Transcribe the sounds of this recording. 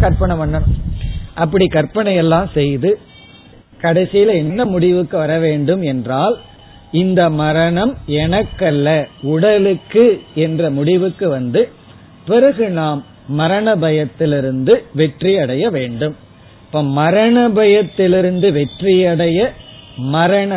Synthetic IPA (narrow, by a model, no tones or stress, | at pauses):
kɐɾpɐɳɐʋɐɳːɐɳɯʔɐp̬ːɐɽikɐɾpɐɳɐjɛlːaːmsɛjðɯ | kɐɽɐɪsɪjlɐɛnnɐmʊɽɪʋɯkːɯʋɐɾɐʋeːɳɖɯmɛndraːl | ɪnd̪ɐmɐɾɐɳɐmɛnɐkːɐlːɐʊɽɐlɯkːɯɛndrɐmʊɽɪʋɯkːɯʋɐnd̪ɯ | pɪɾɐɣɯnaːmː | ɐɾɐɳɐbɐjɐt̪ːɪlɪɾɯnd̪ɯʋɛʈrijɐɽɐjɐʋeːɳɖɯm | pːoːmɐɾɐɳɐbɐjɐt̪ːɪlɪɾɯnd̪ɯʋɛʈrɪjɐɽɐjɐmɐɾɐɳɐ